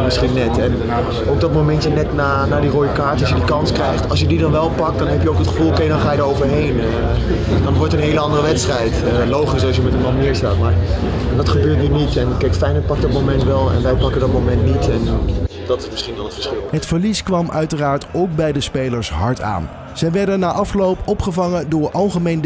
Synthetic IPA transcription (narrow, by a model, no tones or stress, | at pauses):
mɪsχinːɛtɛn | ok̚dɔt̚mowmɛntənɛtnaːnaːdirojəkaːɹtɑlsjədikɑnskrɛjχtɑlˠsjədidɑnʋɛlˠpɑk̚t̚d̥ɑnɦɛpjəowkɦətχəfulˠokejdɑnχaːjədəɹowvəɹɦejn | dɑnʋɔɹtəənɦejləɑndərəʋɛtstrɛjt | lowχisɑs̬jəmɛtənmɑnnɪːɹsta̰ːtmaːɹ | dɑtχəbøːɹtnynitɛnkɛjkfɛjnət̚pɑk̚dɔt̚mowmɛntʋɛlˠɛ̰nʋɛjpɑkəndɑt̚mowmɛntnitɛndɑtɪsmɪsχindɑnətfə̥ɹsχɪlˠɦətfəɹliskʋɑmʔœɥtəraːɹtowk̚bɛjdəspejləɹsɦɑɹtʰa̰ːn | z̥ɛjʋɛɹdənːaːʔɑflowpɔpχəvɑŋədʊːɹʔɑlˠχəmejn